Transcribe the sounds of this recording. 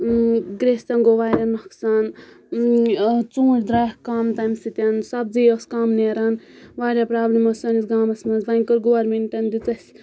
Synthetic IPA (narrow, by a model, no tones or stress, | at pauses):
ɡɾesʲt̪ɐnɡoʋaːɾʲɐmɐksan | t͡sũːʈʲd̪ɾaːhkaːmt̪ajmsit̪ʲɐnsɐb̚d͡zijoskaːmneːɾɐnʋaːɾʲapɾaːblʲimɐsɐnisɡaːmɐsmɐzbɐnʲkɔɾɡoʋɐɾmeɳʈɐnd̪it͡sɐsʲ